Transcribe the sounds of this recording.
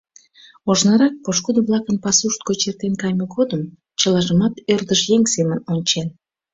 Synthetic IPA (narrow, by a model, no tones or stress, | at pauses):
oʒnɑɾɑk̚poʃkud̪oβlˠɑkənpɑsuʃt̪̚kot͡ɕert̪enkɑjməɡod̪əm | t͡ɕəlɑʒəmɑt̪ørd̪əʃjeŋsemənonʲt͡ɕen